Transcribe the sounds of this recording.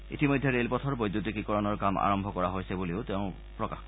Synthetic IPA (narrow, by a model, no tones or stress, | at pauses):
ḭtimɔjdʱːɛɹelpɔtʰɔɹbojdːut̬ikikɔɹɔnɔɹkama̰ɹɔmbʱɔkɔɹaɦojsɛbuleʊteʊ̃ | pɹɔka̰x